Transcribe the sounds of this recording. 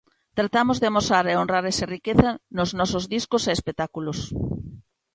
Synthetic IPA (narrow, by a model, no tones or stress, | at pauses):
t̪ɾat̪amozðɪamosaɾeonraɾɛsɐrikeθɐnoznɔsozðiskoseːspet̪akulos